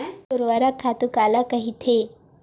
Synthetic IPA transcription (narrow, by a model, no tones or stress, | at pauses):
auɾʋaɾakʰːat̪ukalakəɦit̪ʰe